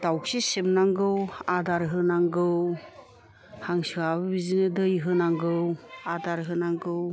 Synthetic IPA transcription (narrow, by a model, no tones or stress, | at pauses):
d̥awksisibnaŋɡɯwadaɾɦɯnaŋɡɯw | haŋsɯabɯbizinɯdɯjɦɯnaŋɡɯwadaɾɦɯnaŋɡɯw